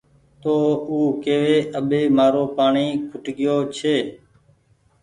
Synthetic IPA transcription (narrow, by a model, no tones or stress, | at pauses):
t̪oːuːkeːʋeːʔəɓeːmaːɾoːpaːɳiːkʰʊʈɠɪjoːt͡ʃʰeː